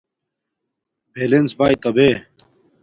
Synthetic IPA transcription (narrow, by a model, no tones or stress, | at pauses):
peːlensbaːjt̪ɐbeː